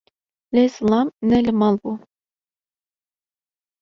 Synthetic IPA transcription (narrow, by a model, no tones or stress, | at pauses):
lɛzlˠɑmnɛlɘmɑlˠbu